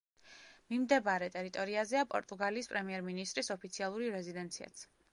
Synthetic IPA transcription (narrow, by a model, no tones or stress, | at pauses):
mimd̪ɛbaɾɛt̪ʼɛɾit̪ʼɔɾiazɛapʼɔ̰ɾt̪ʼuɡaliːspʼɾɛmiɛɾminist̪ʼɾisɔpʰit̪sʰialˠuɾiɾɛzid̪ɛnt̪sʰia̰t̪sʰ